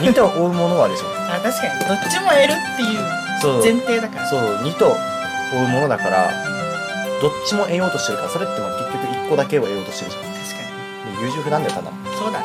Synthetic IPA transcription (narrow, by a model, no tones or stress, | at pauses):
ɲ̟ʲit̪oʔoːɯ̟mo̞no̞βaɾsɨko̰n | at̪aɕi̥kaɲ̟id̪o̞t͡ɕːimoe̞ɾɯ̟t̪ːe̞jɯ̟ː | soːzẽ̞nt̪e̞ːd̪akaɾasoːɲ̟it̪o̞ | oɯ̟mo̞no̞d̪akaɾa̰ | d̪̥o̞t͡ɕːimo̞ʔe̞jo̞ːt̪o̞ɕt̪eɾɯ̟kaɾaso̞ɾe̞t̪ːenoakʲekʲːo̞kɯ̟ikːod̪ake̞oe̞jo̞ːt̪o̞ɕt̪eɾɯ̟̥ | t̪ʰḁɕi̥kaɲi | moːjɯ̟ːʑɨɸɯ̟nand̪aok̪ana̰soːd̪a